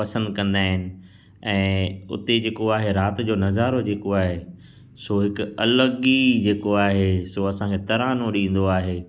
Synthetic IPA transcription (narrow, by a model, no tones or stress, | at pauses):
pɐsə̃nd̪kɐ̃nd̪aːɦɪnɪ̆ | ɛ̃ːʊ̰t̪ed͡ʑeːkoaːɦeɾaːt̪ɪ̆d͡ʑoːnɐzaːɾod͡ʑeːkoaːɦe | soɦɪkʊɐləɡid͡ʑeːkoaːɦesoɐsãkʰet̪ɐɾaːnõɗĩːn̆d̪oaːɦeː